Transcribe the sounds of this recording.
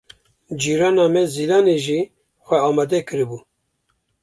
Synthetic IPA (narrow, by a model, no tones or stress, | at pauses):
d͡ʒiːɾɑːnaːmɛzilɑːneʒiː | xʷɛɑːmɑːd̪ɛkʰɨɾɨbuː